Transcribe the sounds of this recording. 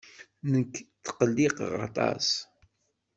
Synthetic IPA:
nəkːt̪ːqəlːiqʁɑ̰t̪ˤɑ̰s

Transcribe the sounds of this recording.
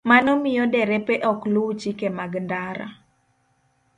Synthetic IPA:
manɔmɪjɔdɛɾɛpɛʔɔkluwt͡ʃikemaɡndaɾa̰

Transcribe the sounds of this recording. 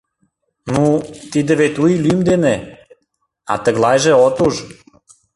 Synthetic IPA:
nut̪id̪ə̆βet̪ʲujlymd̪ene | ɑ̰t̪ə̆ɣlɑjʒĕot̪uʒ

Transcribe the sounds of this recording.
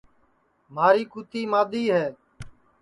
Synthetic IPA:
maːɾiːkuːt̪iːmaːd̪iːɦɛː

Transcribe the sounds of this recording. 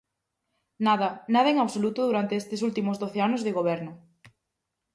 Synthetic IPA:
naðɐnaðɐeŋaβsolut̪ʊðuɾant̪eest̪ɪsult̪imʊzðoθeanʊzðɪɣoβɛɾnʊ

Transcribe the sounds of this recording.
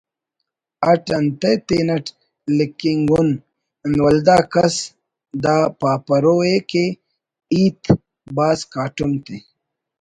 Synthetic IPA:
ɐʈɐnt̪et̪eːnɐʈ | likiŋɡun | nwɐld̪aːkɐs | d̪aːpaːpɐɾoːeke | iːt̪ | baːskaːʈumt̪e

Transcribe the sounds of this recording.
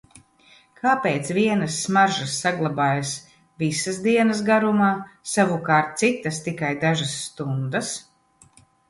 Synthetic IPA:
kʰaːpeːt̪sviɛnɐsːmaɾʒasːaɡlˠabaːjas | visasd̪iɛnɐs̬ɡaɾumaːsavukaːɾt̪̚t̪sit̪ast̪ikajd̪aʒasːt̪und̪as

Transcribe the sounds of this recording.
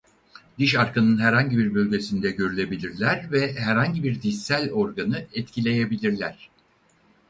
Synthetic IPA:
d̪̥iʃaɾkanɯnɦæɾhaɲɟibiɾbø̞lʲɟe̞sind̪ɛɟø̞ɾylʲe̞bilʲiɾlʲæɾvɛɦæɾhaɲɟibiɾd̪iælʲo̞ɾɡanɯɛt̪cʰilʲe̞jebilʲiɾlʲæɾ̥

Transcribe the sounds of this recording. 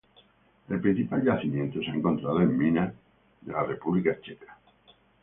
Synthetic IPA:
elpɾĩn̟θipalʎaθimjent̪oseaeŋkont̪ɾað̞oemːĩna | ðelarepuβlikat͡ʃekḁ

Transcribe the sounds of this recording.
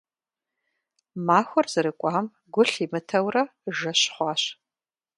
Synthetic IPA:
maːxʷɔrzɨɾɨkʷʼɑːm | ɡʷʊɬimɨtʰɐwrɐʒɐɕχʷɑːɕ

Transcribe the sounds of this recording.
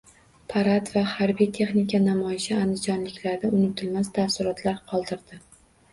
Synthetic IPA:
pʰaɾat̪vahaɾbijt̪ʰe̞χnikʲʰanamɒjɪʃɪand̪ɪd͡ʒɒnlɪkʲlaɾnɪʊnɪt̪ʰɪlmast̪ʰafsɪɾɒt̪ʰlaɾqʰɒlˠd̪ɪɾd̪ɪ

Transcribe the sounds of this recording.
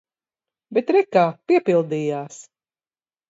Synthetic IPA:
bɛt̪ɾɛkaːpiɛpilˠd̪iːjaːs

